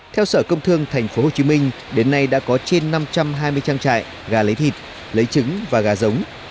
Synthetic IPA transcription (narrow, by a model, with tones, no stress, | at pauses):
t̪ʰɛ˧wsəː˧˩kə˧wŋ͡mt̪ʰɨ˧əŋt̪ʰjŋ̟fo˨˦ho˨˩t͡ɕi˨˦mï˧ŋ̟ | ɗe˨˦nːa˧jɗa̰ː˧˥kɔ˨˦t͡ɕe˧nːa˧mt͡ɕa˧mɦaː˧jmɨ˧əjt͡ɕaː˧ŋt͡ɕa̰ː˧˨j | ɣaː˨˩lə˨˦jt̪ʰi˨˩t̚ | lə˨˦jt͡ɕɨ˨˦ŋvaː˨˩ɣaː˨˩zə˨˦wŋ͡m